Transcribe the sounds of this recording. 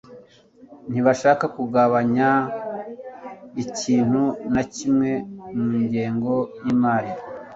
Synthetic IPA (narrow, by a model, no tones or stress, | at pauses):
n̥iβaʃaːkakuɡaβaɲa | iciːn̥hunacimŋe̞muːɲɟe̞ːŋɡo̞jimaːɾi